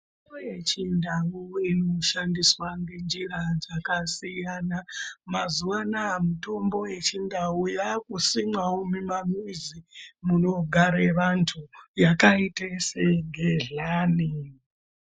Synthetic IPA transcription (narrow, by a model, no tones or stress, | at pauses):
ojet͡ʃindawuino̞ʃandiswaŋɡe̞nd͡ʒirad͡zakasijanamazuwanaːmito̞mbo̞je̞t͡ʃindaujakusimwaumimamizimuno̞ɡʱaɾeʋantʰujakaiteseŋɡʱeɮaːni